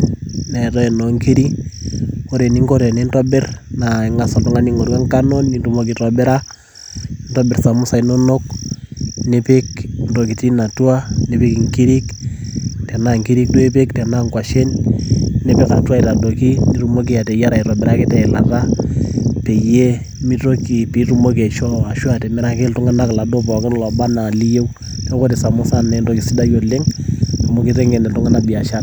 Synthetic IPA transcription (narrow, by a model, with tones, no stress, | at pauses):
na˨ɛ˨tɔ˦ɛ˨no˨ŋki˦ɾi˦ | o˦ɾe˨ni˦ŋko˦ɾe˨ni˦ntɔ˦bɪ˦rna˨i˨ŋa˨sɔ˨ltu˦ŋa˦ni˦ŋo˨ɾwɛ˦ŋka˦no˦nːi˨tu˨mo˦ki˨tɔ˨bɛ˦ɾa˦ | ntɔ˦bɪ˨rsa˨mʊ˦sa˨ino˦no˦k | nepe˦knto˨ki˨ti˦na˨twa˦ne˨pi˦ki˨ŋki˦ɾi˦k | tɛ˨na˦ŋki˦ɾi˦k̚tu˦e˦pe˦ktɛ˨na˦ŋkwa˨ʃe˦n | ne˨pe˦ka˨twa˦i˨ɾa˨do˨ki˦ni˦ru˦mo˦k̬i˦ja˨tɛ˨ja˦ɾa˨i˨ɾɔ˨bɛ˨ɾa˦kɪ˦tɛ˨ɪ˨la˨ra˦ | pe˨je˦ | mi˦to˦ki˨pi˨˦ɾu˦mo˦k̬e˨ʃɔ˦a˨ʃwa˦tɛ˨mɛ˦ɾa˦ke˦ltʊ˦ŋa˦na˦kla˨do˦p̬ɔ˨kɪ˦n˦lɔ˨ba˦na˨li˦je˦w | tɔ˦ko˦te˨sa˨mʊ˦sa˦nɛ˨ndo˨ki˨si˦da˦jo˨le˦ŋtu˨mo˦ki˦ɾe˦ŋɡe˨nɛ˨ltʊ˦ŋa˦nabi˨a˨ʃa˦t